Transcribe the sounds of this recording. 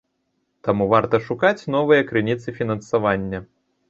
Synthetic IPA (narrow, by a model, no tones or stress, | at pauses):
t̪amuvart̪ɐʂukat͡sʲnɔvɨjɐkɾɨnʲit̪sɨfʲinɐnsavanʲːɐ